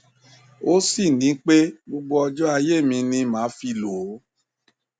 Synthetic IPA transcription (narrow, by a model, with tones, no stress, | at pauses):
o˦si˦˨nĩ˨˦k͡pe˦ɡ͡bo˧ɡ͡bɔ˧ɔ˧d͡ʒɔ˦a˧je˦˨mĩ˧nĩ˧mãː˨˦fi˧loː˨˦